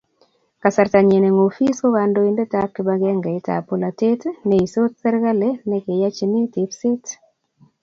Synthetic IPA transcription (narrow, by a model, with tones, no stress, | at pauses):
ka˨sa˨ɾta˨ɲɛ˨ne˨ŋo˨fi˦so˦ka˨ndo˦i˦nde˦ta˦kba˦ɡɛ˦ŋɡe˨ɪ˦ta̰˨po˨la˨te˦tne˨i˨so˦t̚sɛ˦ɾka˦le˦nɛ˦ke˨ja˦t͡ʃnɪ˦tɪ˨psɪ˦t